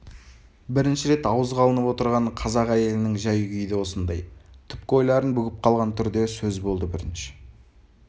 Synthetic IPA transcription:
bɪɾɪnʃɪɾe̞t̪ɑwəzʁɑlˠənəpwo̞t̪əɾʁɑɴqʰɑzɑqæje̞lɪnɪŋʒɑjɡʲʏjd̪ewo̞sənd̪ɑjt̪ʰʏp̚kʲɪo̞jlˠɑɾənbʏɡʲɪp̚qʰɑlˠʁɑnt̪ʰʏɾd̪e̞sɵzbo̞lˠd̪əbɪɾɪnʃɪ̥

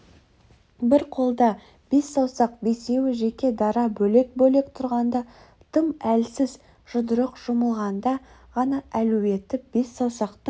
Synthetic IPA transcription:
bɪɾqʰo̞lˠd̪ɑ | b̥e̞sːɑwsɑq̚be̞se̞wɪʒe̞kʲe̞d̪ɑɾɑbɵle̞k̚bɵle̞kt̪ʰʊɾʁɑnd̪ɑ | t̪ʰəmælsɪz | ʒ̥ʊd̪əɾəqʒ̥ʊməlˠʁɑnd̪ɑʁɑnɑælɵwe̞t̪ːɪb̥e̞sːɑwsɑqt̪ə

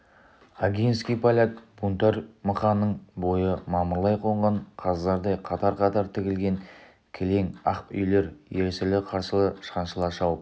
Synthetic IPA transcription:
aɡʲijnskʲijpʰalʲak̚b̥unt̪ɑɾməχɑnːəɴbo̞jəmɑməɾlˠɑjqʰo̞ɴʁɑɴqʰɑzzɑɾd̪ɑjqʰɑt̪ɑɾqʰɑt̪ɑɾt̪ʰɪkʲɪlɡʲe̞ŋ | kʲʰele̞ŋɑqpʏ̰jle̞ɾjeɾsɪlɪqʰɑɾsəlˠəʃqɑnʃəlˠɑʃɑwəp̚

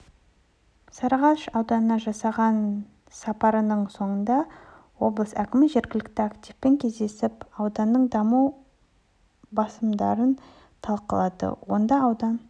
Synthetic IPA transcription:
sɑɾɑʁɑʃɑwd̪ɑnənɑʒɑsɑʁɑn | sɑpɑɾənəɴso̞ɴənd̪ɑ | wo̞blˠəsækʲɪmɪʒe̞ɾɡʲɪlɪk̚t̪ɪakt̪ifpe̞ŋkʲʰe̞zd̪e̞sɪpɑwd̪ɑnːəɴd̪ɑmuw | bɑsəmd̪ɑɾən | t̪ʰɑlˠqəlˠɑd̪ə̰wo̞̰nd̪ɑːwd̪ɑn

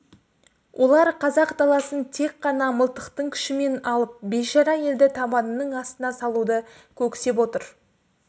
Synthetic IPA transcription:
wʔo̞lˠɑɾqʰɑzɑqd̪ɑlˠɑsənt̪ʰe̞kqːɑnɑməlˠt̪əqt̪əɴkʲʰɪ̥ʃɪme̞nɑlˠəp̚beʒɑɾɑje̞ld̪ɪt̪ʰɑbɑnənəɴɑst̪ənɑsɑlˠud̪ə | kʲʰɵkʲse̞p̬wo̞t̪əɾ

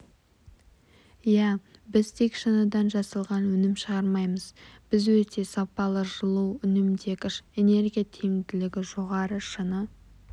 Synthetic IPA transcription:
jæbɪzt̪ʰe̞kʃənəd̪ɑnʒɑsəlˠʁɑnwɵnɪmʃəʁɑɾmɑjməzb̥ɪzwɵt̪e̞sɑpɑlˠəʒəlˠuwʏnɪmd̪e̞kʲɪʃene̞ɾɡʲijat̪ʰeŋd̪ɪlɪɡʲɪʒo̞ʁɑɾəʃənə

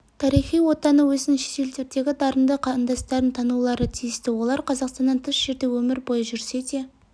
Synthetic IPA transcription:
t̪ʰɑɾijχijwo̞t̪ɑnəwɵzɪnʃe̥t̪e̞lt̪eɾd̪e̞ɡʲɪd̪ɑɾənd̪əqʰɑənd̪ɑst̪ɑɾənt̪ʰɑnulˠɑɾət̪ʰijɪst̪ɪwo̞lˠɑɾqʰɑzɑqst̪ɑnɑnt̪ʰʏsʒ̥eɾd̪e̞wɵmɪɾbo̞jəʒʏɾse̞d̪e̞

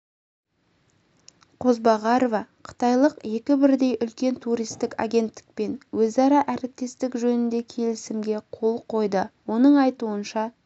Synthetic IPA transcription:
qʰo̞zbɑʁɑɾovɑqʰə̥t̪ɑjlˠəqje̞kʲɪbɪɾd̪e̞jʔʏlkʲe̞nt̪ʰuɾijst̪ɪka̰ɡʲe̞nt̪ːɪ̥k̚pe̞nwɵzɑɾɑʔæɾɪp̚t̪e̞st̪ɪkʒɵnɪnd̪e̞kʲʰe̞lɪsɪmɡʲe̞qʰo̞lˠqʰo̞jd̪əwo̞nəɴɑjt̪uənʃɑ

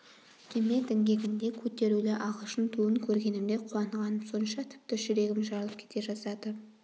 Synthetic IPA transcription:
kʲʰeme̞d̪ɪŋɡʲe̞ɡʲɪnd̪e̞kʲʰɵt̪e̞ɾulɪʔɑʁəlˠʃənt̪ʰuəŋkʲʰɵɾɡʲe̞nɪmd̪e̞qʰuɑɴʁɑnəso̞nəʃɑt̪ʰɪ̥p̚t̪ɪʒɪɾe̞ɡʲɪmʒɑlˠəp̚kʲʰe̞t̪e̞ʒɑsɑd̪ə

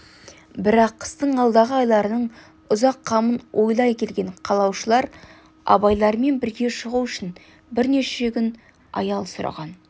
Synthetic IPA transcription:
bɪɾɑqʰːə̥st̪əɴɑlˠd̪ɑʁəɑjlˠɑɾənəɴ | ʊzɑqʰːɑmənwʔo̞jlˠɑjkʲʰe̞lɡʲe̞ɴqʰɑlˠɑwʃəlˠɑɾ | ɑ̰bɑjlˠɑɾme̞nbɪɾɡʲe̞ʃəʁuʏʃɪn | bɪɾne̞ʃe̞kʲʏn | ɑjɑlˠsʊɾɑ̰ʁɑn

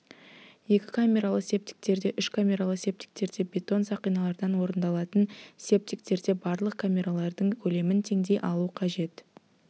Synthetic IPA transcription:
je̞kʲɪ̥kʰamʲe̞ɾalˠəqse̞p̚t̪ʲɪ̥k̚t̪e̞ɾd̪e̞ʔʏʃkʰamʲe̞ɾalˠəqse̞p̚t̪i̥k̚t̪e̞ɾd̪e̞bʲe̞t̪o̞nsɑqijnɑlˠɑɾd̪ɑnwo̞ɾənd̪ɑlˠɑt̪ənsʲe̞p̚t̪ik̚t̪e̞ɾd̪e̞bɑɾlˠəq̚kʰamʲe̞ɾalˠɑɾd̪əɴkʲʰɵle̞mɪnt̪ʰe̞ŋd̪e̞jʔɑlˠuəqʰɑʒe̞t̪

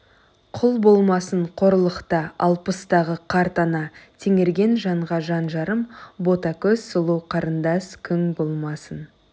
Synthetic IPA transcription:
qʰʊlˠbo̞lˠmɑsəɴqʰo̞ɾəlˠəqt̪əɑlˠpəst̪ɑʁəqʰɑɾt̪ɑnɑt̪ʰeŋe̞ɾɡʲe̞nʒɑɴʁɑʒɑnʒɑɾəmbo̞t̪ɑkʲʰɵz̥səlˠuwqʰɑɾənd̪ɑskʲʰʏŋbo̞lˠmɑsən

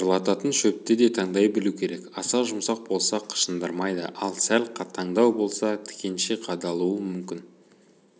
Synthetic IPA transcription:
əlˠɑt̪ɑt̪ənʃɵp̚t̪ɪd̪e̞t̪ʰɑɴd̪ɑjbɪlukʲʰe̞ɾe̞kɑsɑʒʊmsɑq̚bo̞lˠsɑqʰə̥ʃənd̪əɾmɑjd̪ə̰ʔɑlˠsælqʰɑt̪ʰːɑɴd̪ɑwbo̞lˠsɑt̪ʰɪ̥kʲe̞nʃeqʰɑd̪ɑlˠuəmʏmkʲɪn

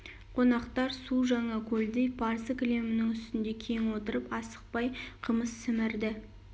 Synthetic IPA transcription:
qʰo̞nɑqt̪ɑɾsuʒɑɴɑkʲʰɵld̪ejpʰɑɾzəkʲle̞mɪnɪŋʏst̪ɪnd̪e̞kʲʰe̞ŋwo̞t̪əɾəpɑsə̥q̚pɑjqʰəməsːɪmɪɾd̪ɪ

